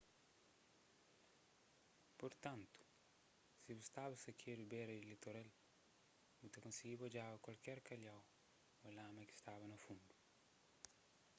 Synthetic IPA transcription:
poɾt̪ãnt̪u̥ | sibust̪abɐsɐkʰeɾubɛɾɐilet̪oɾel | mut̪ɐkõnsiɡibod͡ʒavɐkwalkɛɾkɐʎaw | ɐlãmɐki̥st̪avɐnɐfũnd̪u̥

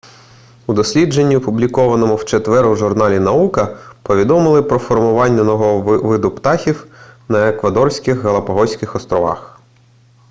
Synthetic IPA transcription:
ud̪ɔsʲlʲid͡ʒenʲːiɔpublʲikɔʋɐnɔmʊwt͡ʃet̪ʋɛɾʊʒʊrnɑlʲinɐukɐpɔʋʲid̪ɔmɪlˠɪpɾɔfɔrmʊʋɑnʲːɐnɔɦɔʋɪd̪ʊpt̪ɑxʲiwnɐekʋɐd̪ɔrsʲkɪxɦɐlˠɐpɐɦɔsʲkɪxɔst̪ɾɔʋɑ̰x

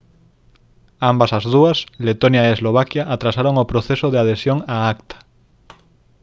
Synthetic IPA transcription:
ambasazð̞uaslet̪onjaeezloβ̞akjaʔːt̪ɾasaɾoŋopɾoθesoðeað̞esjoŋaakt̪ʰḁ

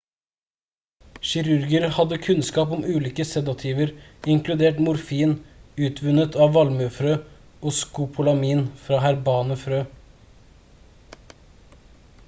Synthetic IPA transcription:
ʃɪɾʉɾɡəɾhɑd̪əkʰʉnskɑːpɔmʉːliːkəsɛd̪ɔt̪ʰjiːʋəɾɪŋklʉd̪eːʈmʊɾfiːnʉːt̪ʰʋʉnət̪ɑːʋʋɑlməfɾøː | ɔskʊpʰʊlɑmiːnfɾɑːhæɾbɑːnəfɾøː

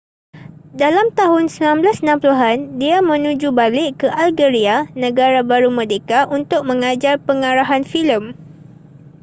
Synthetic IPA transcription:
dalamt̪aɦʊnsəmnãmblasnãmpluɦandiamə̃nũd͡ʒubalɪʔkəʔalɡəɾianə̃ɡaɾabaɾumə̃dekaʔunt̪ʊk̚mə̃ŋad͡ʒarpəŋaɾaɦanfiləm

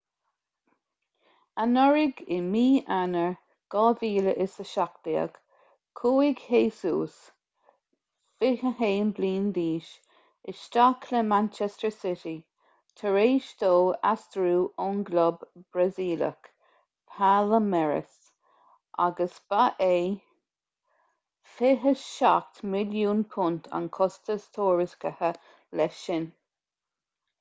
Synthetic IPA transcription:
anɔɹɪɡɪmiːʔanəɹ | ɡ̥ɑːviːləʔɪsəʃak̚tiə̰ɡ̥ | kʰoːɪɡheːsuːs | fɪhəheːnbliːnd̪iːʃ | ɪʃtakʰləmant͡ʃɛstəɹsɪti | t̪ʰəɹeːʃt̪oːa̰st̪ɾuːʔɔnɡlɔbbɹaziːlə̰k | pʰaləmɛɹə̰s | ʔa̰ɡəsb̥aʔeː | fɪɦəʃa̰kt̪mɪljuːnpʰʊnt̪ʰa̰nkʰɔst̪əst̪ʰoːɹɪskəhə | lɛʃɪn

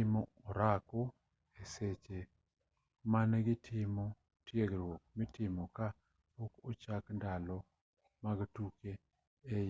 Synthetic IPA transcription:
mɔoɾako | eset͡ʃe | manɡɪtʰɪmɔ | tjeɡɾwok̚mitɪmoka | pokot͡ʃakndalɔ | maɡtukeː | j

